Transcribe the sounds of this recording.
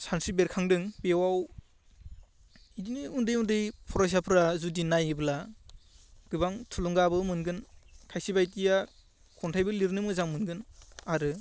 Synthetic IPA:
sansibeɾkʰaŋdɯŋbewaw | idiniundɯjundɯjpʰɔɾajs̬apʰɯɾazudinajɯbla | ɡ̥ɯbaŋtʰulɔŋɡabɯmɯnɡɯnkʰajsibajtija | kʰɔntʰajbɯliɾnɯmɯzaŋmɯnɡɯnaɾɯ

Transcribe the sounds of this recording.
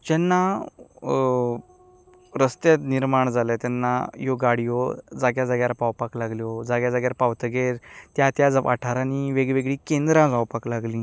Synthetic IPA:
d͡ʑɛnːa | ɾəst̪jet̪niɾmaɳd͡zalat̪ɛnːa̰joɡaɽijɔd͡zaɡjad͡zaɡjaɾpawpaklaɡljod͡zaɡjad͡zaɡjaɾpawt̪əɡeɾt̪jat̪jad͡zʋʔa̰ʈʰaɾaniʋeɡʋeɡɭikẽnd̪ɾãd͡zawpaklaɡlĩː

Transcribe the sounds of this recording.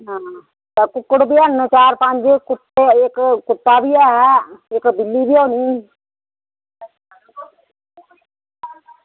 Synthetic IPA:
ɦãː | t̪ɛːkʊkːəɽbiːənːət͡ʃaːɾpə̃ɲd͡ʒkʊt̪eɪkkʊt̪ːaːbiːɛːɦɛːɪkbɪlːiːbiːoːniː

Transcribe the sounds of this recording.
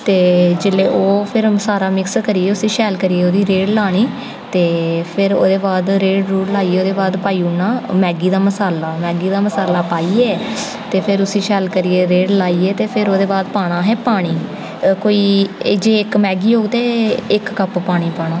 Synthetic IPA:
t̪eːd͡ʒɪlːeːʔoːpʰɪɾsaːɾaːmɪkskəɾiːeːʊsiːʃɛːlkəɾieːoːd̪iːɾeːɽlaːɽ̃iː | t̪eːpʰɪɾo̰ːd̪eːbaːd̪ɾeːɽɾuːɽlaːiːeːoːd̪eːbaːd̪paːiːʊnːãːmɛːɡiːd̪aːməsaːlaːmɛːɡiːd̪aːməsaːlaːpaːiːɛː | t̪eːpʰɪɾʊsĩːʃɛːlkəɾiːeːɾeːɽlaːiːɛːt̪eːpʰɪɾoːd̪eːbaːd̪paːɽ̃aːɦɛːpaːɽ̃iː | koːiːd͡ʒeːɪkmɛːɡiːoːɡt̪eːɪkkəppaːɽ̃iːpaːɽaː

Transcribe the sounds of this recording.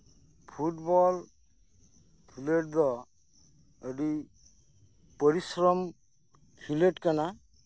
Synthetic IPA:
pʰuʈbɔl | pʰileʈ̚d̪ɔ | əɖi | pəɾisɾɔm | pʰileʈkana

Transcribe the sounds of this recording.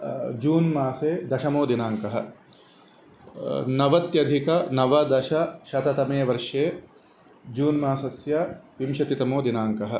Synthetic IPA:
d͡ʒuːnmaːseːd̪ɐʃɐmoːd̪inaːŋkɐɦɐ̰̆ | nɐʋɐt̪jɐd̪ʱikɐnɐʋɐd̪ɐʃɐʃɐt̪ɐt̪ɐmeːʋɐɾʂeː | d͡ʒuːnmaːsɐsjɐʋimʃɐt̪it̪ɐmoːd̪inaːŋkɐɦɐ̆

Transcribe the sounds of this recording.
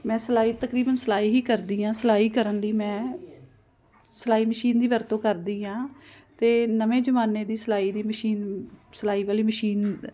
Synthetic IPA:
mɛ̃ːsəlaːiːt̪əkɾiːbənsəlaːiːɦiːkəɾd̪iːãːsəlaːiːkəɾənləiːmɛ̃ː | səlaːiːməʃiːnd̪iːʋəɾt̪õːkəɾd̪iːãː | t̪eːnəʋẽːd͡ʒəmaːneːd̪iːsəlaːiːd̪iːməʃiːnsəlaːiːʋaːliːməʃiːn

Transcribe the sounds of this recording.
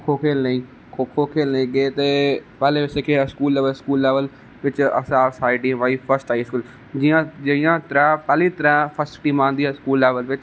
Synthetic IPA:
kʰokʰeːlnɐĩː | kʰokʰokʰeːlnɐ̃ĩɠeːt̪epɛːleʋɪsekʰeːskuːlːeːʋəlskuːlːeːʋəl | ʋɪt͡ʃɐ̰sãːsaːɪɖĩʋaːifʰəɾsʈaːiskuːl | d͡ʑiːãɐãt̪ɐɾãpɛːlit̪ɐɾãpʰəsʈʈiːmãːnd̪iːskuːlːeːʋəlʋɪt͡ʃ

